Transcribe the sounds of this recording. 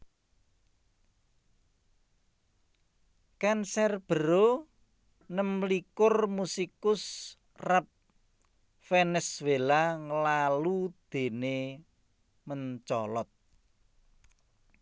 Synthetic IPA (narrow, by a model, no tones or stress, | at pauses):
kansɛrb̥ə̤ɾo | nəmlikʊrmusikʊs | rap̚ | fɛnɛswelaŋəlalud̪̥e̤ne | məɲt͡ʃɔlɔt̪̚